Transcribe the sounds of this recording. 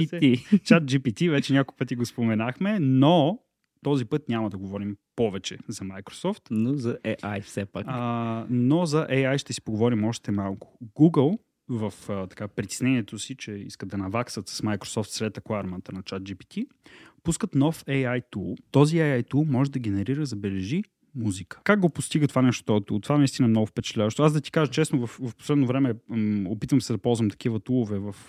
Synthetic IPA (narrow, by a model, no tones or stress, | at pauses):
it͡ʃat̪̚d͡ʒipit̪ivɛt͡ʃɛnʲakojpɤt̪iɡospomɛnaxmɛno | t̪ɔzipɤt̪nʲamɐd̪ɐɡovɔɾimpɔvɛt͡ʃɛzɐmajkɾo̥sɔft̪nozɐʔɛʔajfsɛpa̰knozɐʔɛjajʃt̪ɛsi̥poɡovɔɾimɔʃt̪ɛmalˠkʊ̥ɡuɡəlˠ | vɐft̪ɐ̥kapɾit̪i̥snɛniɛt̪osit͡ʃɛḭskəd̪ɐnɐvaksət̪sə̥smajkɾo̥sɔft̪sɾɛt̪ɐklˠaɾmant̪ənɐt͡ʃat̪̚d͡ʒipi̥t̪ʰi | puskət̪nɔfɛjajt̪ut̪ɔziɛjajt̪umɔʒɛd̪ɐɡɛnɛɾiɾəzɐbɛlɛʒi | muzikə̥kaɡ̚ɡopʊst̪iɡət̪ovanɛʃt̪ɔt̪ʊt̪ːovanɐist̪inɐmnɔɡʊfpɛt͡ʃɛ̥t̪lʲavəʃt̪oazd̪ɐt̪i̥kaʒət͡ʃɛsnʊvɐfvɐfpo̥slɛd̪novɾɛmɛopit̪vɐmsɛd̪ɐpɔlˠzvɐmt̪ɐ̥kivət̪ulˠʊvɛvɐf